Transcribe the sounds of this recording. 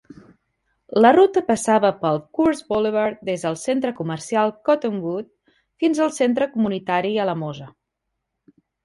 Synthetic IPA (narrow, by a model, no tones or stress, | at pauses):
lərut̪əpəsaβəpəlˠkuɾzbɔleβəɾd̪ezðəlˠsent̪ɾəkumərsialˠkɔt̪əmbut̪̚ | finzəlˠsent̪ɾəkumunit̪aɾiələmozə